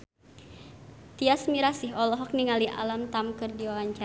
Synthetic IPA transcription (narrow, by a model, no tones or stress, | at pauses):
t̪iasmiɾasiɦɔlɔɦɔk̚niŋaliʔa̰lamt̪amkɨrdiwawaɲt͡ʃa